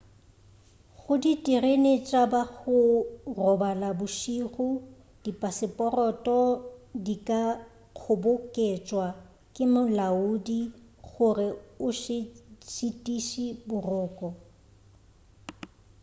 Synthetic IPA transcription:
χʊditʼirenet͡ʃʼabaɣʊrɔbalabʊʃiχʊ | d̥ipʼasɪpʼɔrɔtʼɔdikʼa | q͡χʰʊbʊkʼet͡ʃʼwa | kʼɪmʊlaudi | ɣʊrɪʊʃɪt͡ʃʼitʼiʃibʊrʊːkʼɔ

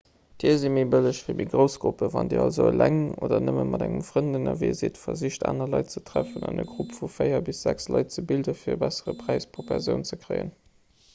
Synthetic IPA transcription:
d̥iːɐzimebələɕfiːmʔiːɡʁəʊsɡ̥ʁupəvɑndeɑlzolæŋoːdɐnəməmɑdæŋəmfʁəndənɐviːziətfɐziɕta̰ːnɐlɑɪtt͡sətʁ̥æfənɑnəɡʁupfufɜɪɐbisz̥ækslɑɪt̚t͡səbildəfiːɐəbæsəʁəpʁæɪspʰʁopʰæʁzjəʊnt͡səkʁɜɪə̰n

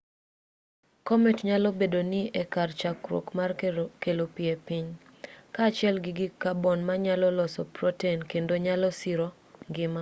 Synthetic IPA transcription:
kɔmɛtɲalɔbedonɪʔɛkart͡ʃakɾwo̰kmarkelopɪɛpɪɲ | kaːt͡ʃɪɛlɡɪɡɪkabɔnmaɲalɔlɔsɔprɔtenkendoɲalɔsiɾɔ | ŋɡɪma

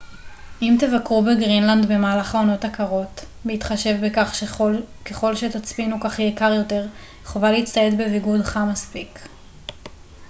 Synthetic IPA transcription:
ʔimtevakʁubeɡʁinland̪be̞maːlaχao̞no̞takaʁo̞t | beitχaʃe̞vbekaχʃke̞χo̞lʃetat͡spinukaχjekaʁjo̞te̞ʁ | χovaleit͡st̪aje̞tbeviɡudχamaspik

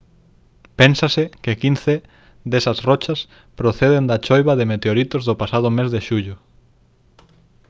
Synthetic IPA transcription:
pensɐsɪkɪkinθe | d̪esɐsrɔt͡ʃɐs | pɾoθeðend̪ɐt͡ʃojβɐðemet̪eoɾit̪ozðʊpasað̞ʊmezðeʃuʎʊ

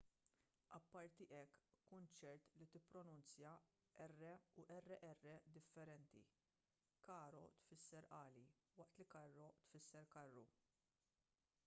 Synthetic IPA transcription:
ʔɐpːɐɾt̪iʔɛkːʊnt͡ʃɛɾt̪lit̪ɪpːɾɔnʊnt͡sjɐ | ʔɛrːɛuʔɛrːɛʔɛrːɛd̪ɪfːɛɾɛnt̪ḭ | kɐːɾɔ̰t̪fɪsːɛɾʔɐːli | wɐʔt̪likɐrːɔt̪fɪsːɛɾkɐrːu

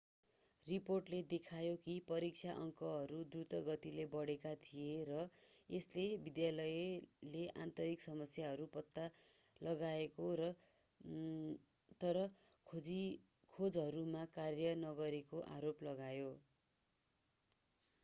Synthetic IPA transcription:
riporʈled̪ekʰajokipʌɾik̚t͡ʃʰaʔʌŋkʌɦʌɾud̪rut̪ʌɡʌt̪ilebʌɽekat̪ʰijeɾʌeslebid̪jalʌjleʔa̰nt̪ʌɾiksʌmʌsjaɦʌɾupʌt̪ːa | lʌɡaekoɾʌ | t̪ʌɾʌ | i | kʰod͡zɦʌɾumakarjʌnʌɡʌɾekoʔaɾoplʌɡajo

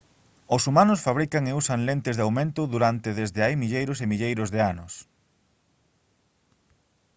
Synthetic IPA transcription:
ʊsumanʊsfaβɾikaŋeusaŋlent̪ɪzðeawmẽnt̪ʊðuɾant̪ɪðezðɪajmiʎejɾʊsemiʎejɾʊzðeanʊs

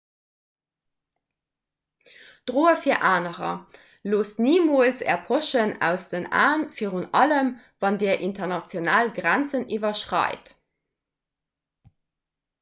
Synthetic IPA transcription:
d̥ʁoːəfiːɐʔaːnəʁɐ̰ | loːsniːmoːlsɛ̰ɐpʰoʃənæ̰ʊsd̥əna̰ːnfiːʁunɑləm | vɑndeːɐʔintɐnɑt͡sjonaːlɡʁænt͡sənivɐʃʁɑ̰ɪt

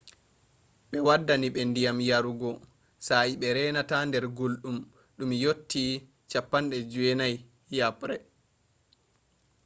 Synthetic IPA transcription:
ɓɛwadːaniɓɛndijamjaɾuɡɔ | saiɓɛɾɛːnatandɛɾɡolɗum | ɗumjotːi | t͡ʃapːanɗɛd͡ʒuwɛnaj | japɾɛ

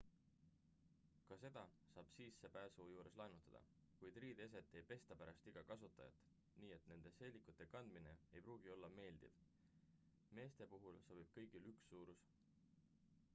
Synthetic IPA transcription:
kɑse̞d̪̥ɑ | sɑːb̥siːsːepæːsuːjuːɾe̞slɑjnut̪ːˑɑd̪̥ɑ̰ | kujd̪riːd̪e̞s̬e̞t̪ːˑe̞jpe̞st̪ɑpæɾɑst̪iɡ̥ɑkɑsut̪ːˑɑ̰jɑ̰t̪ːˑ | niːe̞t̪ːne̞nd̪̥e̞se̞ːlːikːˑut̪ːˑe̞kɑnd̪mine̞e̞jpruːɡ̥io̞lːɑme̞ːld̪̥ḭv | me̞ːst̪e̞puɦulsoːbib̥̚kɤ̞jɡ̥ilyksːuːɾus

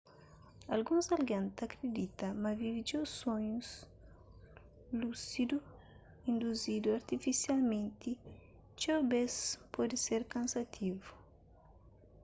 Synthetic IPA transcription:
alɡũzalɡãnt̪akɾed̪it̪ɐmɐvivid͡ʒewsõɲus | lusid̪u | ĩnd̪uzid̪uaɾt̪ifisjalmẽnt̪i | t͡ʃawbespɔd̪iseɾkãnsat̪ʰivu

